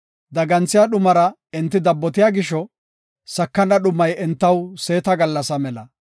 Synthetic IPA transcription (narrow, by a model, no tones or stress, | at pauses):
d̪ɐɡɐnt͡sːɪjaɗʊmɐɾɐ | ɪnt̪ːɪd̪ɐbːɔt̪̬ɪjaːɡɪʃɔ | sɐkːɐnɐɗʊmːɐjɛnt̪ːɐwse̞ːt̪ɐɡɐlːɐsɐmɛlɐ